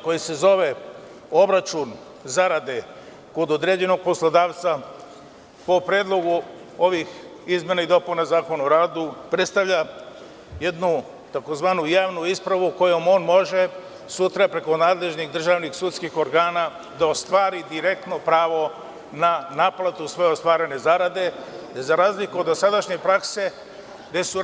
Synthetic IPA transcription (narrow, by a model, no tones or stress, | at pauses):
ko̞jise̞zo̞ʋe̞ | o̞bɾat͡ʃun | zaɾad̪e̞ | kod̪od̪ɾe̞ːd͡ʑe̞no̞ɡ̚poslˠod̪aːʋt̪sa | po̞pɾjeːd̪lˠo̞ɡu | o̞ʋix | izmʲje̞naid̪o̞punazaːkonaoɾaːd̪upɾet̪st̪aʋʎa | je̞d̪nu | t̪ako̞zʋaːnujaːʋnuispɾaʋuko̞jo̞mo̞ːnmo̞ʒe̞ | sut̪ɾapɾe̞ko̞naːd̪le̞ʒnixd̪r̩ʒaːʋnixsut̪skixo̞ɾɡaːna | d̪aost̪ʋaːɾid̪iɾe̞k̚t̪no̞pɾaːʋo̞ | nanaːplˠat̪usʋo̞jost̪ʋaːɾe̞ne̞zaɾad̪e̞d̪ezaɾaːzlikuo̞d̪ːo̞sad̪aʃɲe̞pɾakse̞ | d̪e̞su